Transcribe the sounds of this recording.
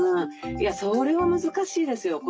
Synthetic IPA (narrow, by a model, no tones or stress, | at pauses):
jaso̞ɾe̞βamɯ̟zɨkaɕiːd̪e̞sɨjo̞ko